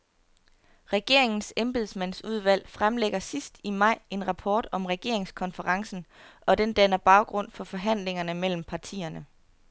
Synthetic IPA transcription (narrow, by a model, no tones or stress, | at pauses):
ʁɛɡ̥e̝ɐ̰e̝ŋn̩semb̥e̝ðˠsmæn̰suðˠʋæl̰fʁamleɡ̥ɐsisd̥imɑ̈ɪ̰e̝nʁɑ̈pʰɒːd̥ɒ̽mʁɛɡ̥e̝ɐeŋskʰɒ̽nfəʁɑ̈ŋsn̩ʔɒ̽d̥end̥ænɐb̥ɑ̈ʊɡ̥ʁɔ̽n̰fɒ̽fɒ̽ɦæn̰le̝ŋɐnəmel̰m̩pʰɑ̈t͡sʰḭːɐnə